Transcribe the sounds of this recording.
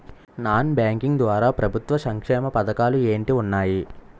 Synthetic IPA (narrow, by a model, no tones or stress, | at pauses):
naːnbaːŋkiŋɡd̪ʋaːɾaːpɾɐbʱut̪ʋɐsɐŋkʂɛːmɐpɐd̪ɐkaːlue̞ːɳʈiunːaːji